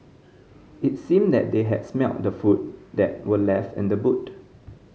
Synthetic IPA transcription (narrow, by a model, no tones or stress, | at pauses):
it̚sĩmdɛ̰t̚deɦɛ̰dsmɛlt̚dəfut̚dɛt̚wəlɛftɛ̰̃ndəbut